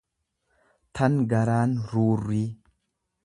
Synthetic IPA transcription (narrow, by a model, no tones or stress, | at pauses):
t̪ʰɐnɡɐɾaːnɾuːrːi